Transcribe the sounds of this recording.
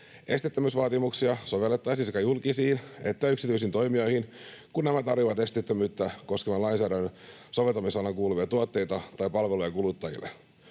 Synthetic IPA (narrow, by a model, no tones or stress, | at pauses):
e̞st̪it̪ːømysʋɑːt̪imuksiɑso̞ʋelːet̪ːɑjsiskɑjulkisiːnet̪ːæyksit̪yis̬int̪o̞jmio̞jhinkunːæmæt̪ɑrʋiʋɑt̪e̞st̪it̪ːømyːt̪ːæko̞skemɑlɑjnsæːdæn | so̞ʋelt̪ːˑɑmisɑnɑkuːluʋiɑt̪uot̪ːe̞jt̪ɑt̪ɑjpɑlʋelujɑkulut̪ːɑjḭlːḛ